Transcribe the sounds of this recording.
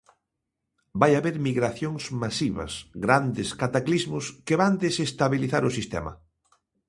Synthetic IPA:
bajaβeɾmiɣɾaθjoŋsmasiβɐ̰sɣɾand̪ɪskat̪aklizmʊskeβand̪esest̪aβiliθaɾʊsist̪ɛ̰mɐ̰

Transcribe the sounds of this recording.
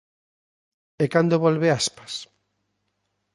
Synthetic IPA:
ekand̪oβolβeaspḁs

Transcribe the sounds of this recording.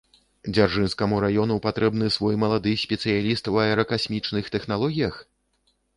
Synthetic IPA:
d͡zʲarʐɨnskɐmuɾajɔnupat̪ɾɛbnɨsvɔjmɐlˠad̪ɨsʲpʲɛt̪sɨjalʲist̪wɐɛɾɐkasʲmʲit͡ʂnɨxt̪ɛxn̪alˠɔɣʲijɐx

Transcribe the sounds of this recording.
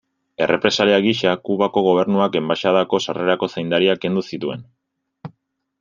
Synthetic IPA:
e̞rʔe̞pɾe̞saliaɣiʃakuβako̞ɣ̞o̞β̞e̞ɾnuake̞mbaʃaðako̞sare̞ɾako̞sejnd̪aɾiake̞nd̪usit̪ue̞̰n

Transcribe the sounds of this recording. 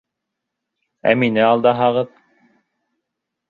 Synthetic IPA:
æ̰minɘɑlˠd̪ɑɦɑʁɤð

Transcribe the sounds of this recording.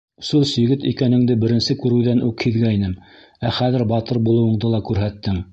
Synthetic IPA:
sulˠsɵ̆ɡɘt̪ikænɘ̆ŋd̪ɘbɘ̆ɾɘ̆nsɘkʉɾʉwðænʉkhiðɡæinɘm | æχæðɘ̆ɾbɑt̪ɤɾbulˠɤ̆wɤ̆ɴd̪ɤlˠɑkʉɾɦæt̪ːɘŋ

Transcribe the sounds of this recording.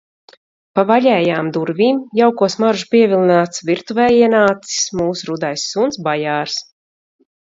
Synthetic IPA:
pavaʎʲɛːjaːmd̪uɾvʲiːmjawkuɔsmaɾʒupʲiɛvʲilˠinaːt̪svʲiɾt̪uvɛːjiɛnaːt̪si̥smuːsɾud̪ajsːunsbajaːɾs

